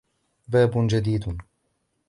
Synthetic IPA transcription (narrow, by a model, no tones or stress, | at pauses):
baːbnd͡ʒad̪iːd̪